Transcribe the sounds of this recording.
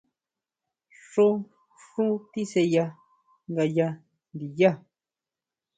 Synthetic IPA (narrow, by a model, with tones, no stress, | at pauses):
ʂõ˦ | ʂũ˦t̪i˦se˧ja˧ | ŋɡa˧ja˧ | nd̪i˨ja˦˨